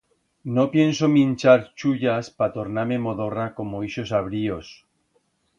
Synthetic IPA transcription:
nopjensomĩnt͡ʃaɾt͡ʃuʎaspat̪oɾnamemoðorakomoiʃosaβ̞ɾios

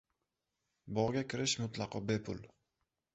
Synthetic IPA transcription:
bɒʁɡʲakʲʰɪɾɪʃmʊt̪lˠɑqɒbe̞pʰʊ̰lˠ

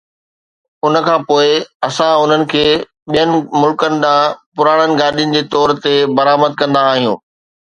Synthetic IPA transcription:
ʊnəkʰãːpoːɪɐsãʊn̤ənɪ̆kʰeː | ɓijənɪ̆mʊlkənɪ̆ɗ̪ãːpʊɾaːɽ̃ənɪ̆ɡaːɗijʊnɪ̆d͡ʑeːt̪ɔːɾt̪ebɐɾaːməd̪̚kɐ̃nd̪aːɦijṵ̃ː

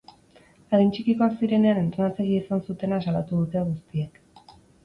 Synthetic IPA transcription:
aðint͡ʃikiko̞aksiɾe̞ne̞ane̞nt̪ɾonat͡seɣiisansut̪e̞nasalat̪uðut̪e̞ɣust̪iek

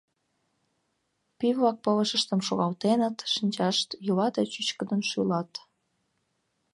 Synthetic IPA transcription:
pivlɑk̚pələʃəʃt̪əmʃoɣɑlt̪enət̪ʃinʲt͡ɕɑʃt̪julɑd̪et͡ɕyt͡ɕkəd̪ənʃylɑt̪

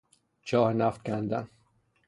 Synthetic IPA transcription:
t͡ʃʰɒːhenæft̪̚kʰʲænd̪æ̰n

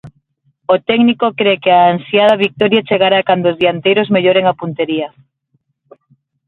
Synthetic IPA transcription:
ot̪ɛɡnikokɾekeaːnsjað̞ɐβik̚t̪ɔɾjat͡ʃeɣaɾakand̪oːzðiant̪ejɾozmeʎoɾeŋapunt̪eɾiɐ

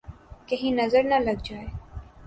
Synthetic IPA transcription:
kɐɦĩnɐzəɾnɐlɐɡd͡ʒaːe

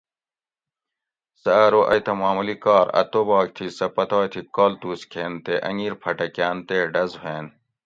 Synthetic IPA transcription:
sɐɐɾoːʔɐjt̪ɐmaːmulikaːɾɐ̰t̪oːbɑːk̚t̪ʰisɐpɐt̪aːjt̪ʰikoːlt̪uːskʰeːnt̪eʔɐ̰ŋiːɾpʰɐʈɐkjaːnt̪eːɖɐzɦeːn

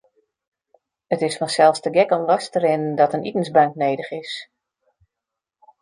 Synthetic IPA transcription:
ətɪsfɔnsɛlˠfstəɡɛkɔnlɔstəɾɪnndɔtənitən̩sbœŋknejdəχɪs

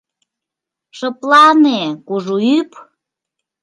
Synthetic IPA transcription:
ʃəplɑnekuʒuyp

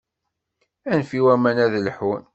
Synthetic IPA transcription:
ænfiwæmænæðləħwən

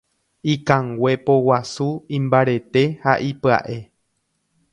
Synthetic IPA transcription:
ikãŋɡʷe̞powasuĩmbaɾe̞t̪e̞haʔipɨa̰ʔe̞

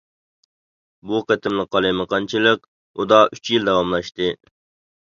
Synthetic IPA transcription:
buqet̪ʰɪmlˠəqːɑlˠɨmɨqʰɑnt͡ʃʰilˠɨq | ud̪ɑʔyt͡ʃjild̪ɛwɑmlˠɑʃt̪ɨ

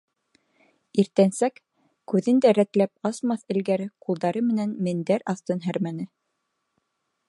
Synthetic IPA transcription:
iɾt̪ænsæk | kʉðɘnd̪æɾæt̪læp̚ɑsmɑθɘ̆lɡæɾɘqulˠd̪ɑɾɤmɘ̆nænmɘ̆nd̪æɾɑθt̪ɤnɦæɾmænɘ

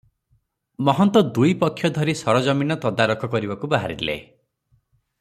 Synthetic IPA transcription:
mɔɦɔnt̪ɔd̪ujpɔkʰːjɔd̪ʱɔɾisɔɾɔd͡ʒɔminɔt̪ɔd̪aɾɔkʰɔkɔɾibakubaɦaɾilḛ

